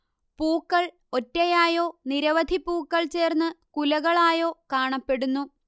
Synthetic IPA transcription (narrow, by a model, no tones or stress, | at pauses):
puːkːɐɭ | o̞tːejaːjo̞ːniɾɐʋɐd̪ʱipuːkːɐɭt͡ɕe̞ːrnːɨkulɐɣɐɭaːjo̞ːkaːɳɐpːe̞ɽunːu